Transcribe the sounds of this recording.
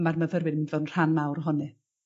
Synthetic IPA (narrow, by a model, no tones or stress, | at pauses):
marməvəɾwɨdmvɛwn̩r̥anmawrɦɔnɨ